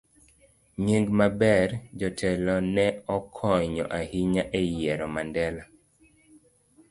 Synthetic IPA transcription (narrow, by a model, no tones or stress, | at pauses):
ɲeŋɡmabɛrd͡ʒɔtʰɛlɔnɛɔkʰɔɲɔ̰ʔahiɲaʔejɛɾɔmandɛla